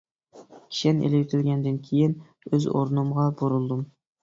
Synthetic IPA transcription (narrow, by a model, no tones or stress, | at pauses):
kʲʰi̥ʃɛnḛlɪjt̪ʰɪlɡʲɛnd̪ɪnkʲʰejɪn | øzo̰ɾnumʁɑboɾulˠd̪ɨm